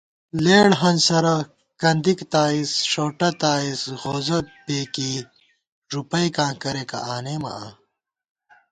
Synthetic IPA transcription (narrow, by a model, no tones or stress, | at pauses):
leːɽɦɐnsɐɾɐ | kɐnd̪ikt̪aːisʂoːʈɐt̪aːisɣoːzɐbeːki | ɾupɐjkãːkɐɾekɐ̰ʔaːneːmɐ̰aː